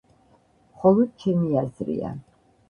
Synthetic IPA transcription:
χɔlˠɔd̪̥̚t͡ʃʰɛmiazɾḭa̰

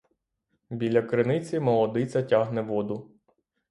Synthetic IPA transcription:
bʲilʲɐkɾɪnɪt͡sʲimɔlˠɔd̪ɪt͡sʲɐtʲaɦnɛʋɔd̪ʊ

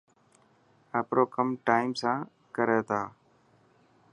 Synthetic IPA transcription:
əːpɾoːkəmʈaːɪmsãː | kəɾeːt̪aː

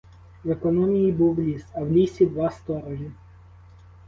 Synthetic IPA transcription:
ʋekɔnɔmʲijibuwlʲisɐwlʲisʲid̪ʋɑst̪ɔɾɔʒʲi

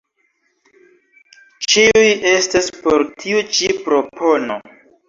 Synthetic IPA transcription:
t͡ʃiuje̞staspo̞ɾtʰiut͡ʃipɾo̞pʰo̞no̞̰

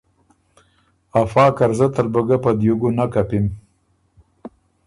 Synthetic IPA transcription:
afɑːkaɾzat̪əɾbəɡapad̪juɡunakapim

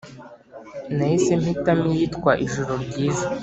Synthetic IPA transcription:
nahisem̥hitamijitkwaʔiʒuɾoɾɟiːza

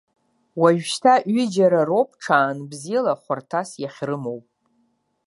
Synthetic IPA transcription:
waʒᶣʃtʰaʔɥid͡ʒaɾaropʼʰʈ͡ʂʰaːnbzilaχʷartʰasjaχʲrɨmowpʼ

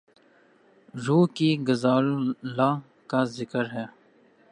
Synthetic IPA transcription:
ɾuːkiɡəzaːllaː | kaːzɪkəɾɦɛː

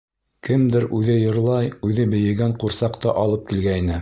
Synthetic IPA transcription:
kɘmd̪ɘɾʉðɘjɤ̆ɾlˠɑjʉðɘbɘ̆jɘ̆ɡæɴquɾsɑqt̪ɑʔɑlˠɤp̚kilɡæninɘ

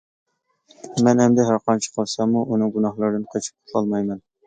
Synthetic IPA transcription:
mɛnhɛmd̪ɛɦæɾqʰɑnt͡ʃʰi̥qʰɑlˠsɑmuʔunɨŋɡunɑhlˠɑɾd̪ɨnqʰɑt͡ʃʰi̥p̚t̪ʰɑlˠmɑjmɛn

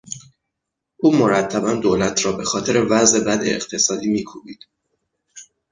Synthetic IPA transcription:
ʔuːmo̞ɾæt̪ʰːæbænd̪oːlæt̪ʰɾɒːbe̞xɒːt̪ʰe̞ɾe̞væzʔe̞bæd̪ḛːqt̪ʰe̞sɒːd̪iːmiːkʰuːbiːd̪̥

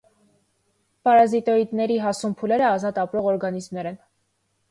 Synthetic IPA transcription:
pɑɾɑzit̪ɔɾit̪nɛɾiɦɑsumpʰulɛɾəɑzɑt̪ɑpɾɔʁɔɾɡɑnizmnɛɾɛn

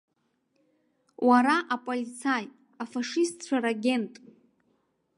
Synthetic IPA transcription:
waɾaʔapʼolit͡sʰaj | afaʂistʰʼt͡ɕʷʰaɾaɡʲe̞ntʼ

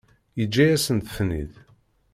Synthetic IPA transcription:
jəd͡ʒːæjæsənθə̥fnḭð

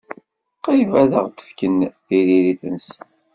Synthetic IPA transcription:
qivæðəʁt̪ə̥fkənθiɾiɾiθəns

